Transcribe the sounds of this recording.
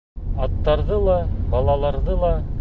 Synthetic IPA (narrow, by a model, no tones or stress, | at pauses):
ɑt̪ːɑɾðɤlˠɑbɑlˠɑlˠɑɾðɤlˠɑ